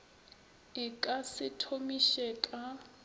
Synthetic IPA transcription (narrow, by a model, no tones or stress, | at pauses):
ɪkʼasɪtʰomiʃɛkʼa